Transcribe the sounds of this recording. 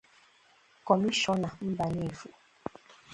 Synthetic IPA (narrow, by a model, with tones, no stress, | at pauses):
kɔ˨mi˦ʃɔ˦na˨m̩˦ba˨ne˦˨fu˨